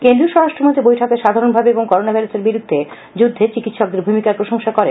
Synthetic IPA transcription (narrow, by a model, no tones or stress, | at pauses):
kend̪ɾioʃɔɾaʃʈɾomont̪ɾibojʈʰɔkeʃad̪ʱaɾonbʱabeeboŋkɔɾonabʱajɾuseɾbiɾud̪ʱːe | d͡ʑud̪ʱːet͡ɕikit̪ʃɔk̚d̪eɾbʱumikaɾpɾoʃoŋʃakɔɾe